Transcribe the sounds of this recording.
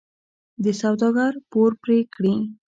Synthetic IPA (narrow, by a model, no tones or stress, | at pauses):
d̪əsawd̪ɑɡaɾpoɾpɾekɽi